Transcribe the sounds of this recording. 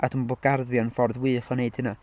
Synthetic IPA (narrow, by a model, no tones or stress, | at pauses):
adʰumbɔɡ̥arðjɔnfɔrðwɨːχɔneɨd̥həna